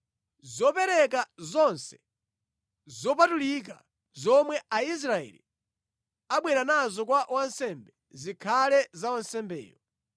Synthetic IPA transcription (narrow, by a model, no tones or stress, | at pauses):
zɔpɛɾɛkazɔnsɛ̥ | zɔpatulik̬a̰ | zɔmwɛais̬ɾaɛ̰lḭ | aɓwɛɾanazɔkwawansɛmbɛ | zikʰalɛzawansɛmbɛ̰ːjɔ